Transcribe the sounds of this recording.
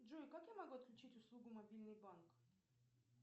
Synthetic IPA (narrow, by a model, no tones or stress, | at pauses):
dʐukakjamɐɡuɐt̪̚klʲʉt͡ɕitʲʊslˠuɡʊmɐbʲilʲnɨjbank